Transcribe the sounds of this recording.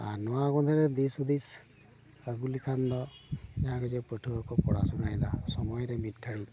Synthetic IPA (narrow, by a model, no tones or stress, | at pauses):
a̰nɔwaɡɔnd̪ʰɛɾɛd̪isud̪is | əɡulikʰand̪ɔd͡ʒaɦãkɔzɛpətʰuɔkɔpɔɽasunajd̪asɔmɔjɾɛmit̚kʰaɽi